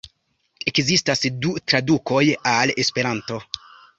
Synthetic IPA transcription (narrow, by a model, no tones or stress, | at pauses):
e̞kzistasdutɾaduko̞jale̞spe̞ɾanto̞